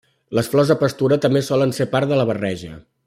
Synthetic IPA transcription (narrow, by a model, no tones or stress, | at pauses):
ləsflɔzðəpəst̪uɾət̪əmbesɔlənsepaɾt̪ðələβ̞ərɛʒə̰